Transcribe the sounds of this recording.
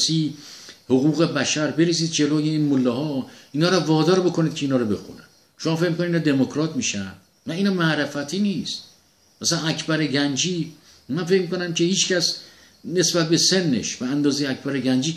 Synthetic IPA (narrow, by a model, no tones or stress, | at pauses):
siːhoɣuːɣe̞bæʃæɾbe̞ɾesiːd̪̚d͡ʒe̞loːjeiːnmolːɒɦɒːiːnɒːɾɒvɒːd̪ɒːɾbo̞kʰo̞nid̪̚cʰeiːnɒːɾɔbe̞̰xṵnæn | ʃomɒːfe̞cmikoninːd̪e̞mokʰɾɒːt̪ʰmiːʃæn | væiːnɒmæʔɾefæt̪ʰiːnist̪ | mæsænæcʰbæɾeɟænd͡ʒiː | mænfecmiːkonæmcʰe̞hiːt͡ʃcʰæs | ne̞sbæt̪̚be̞se̞nːe̞̰ʃbæænd̪ɒːzejeæcbæɾeɟænd͡ʒiː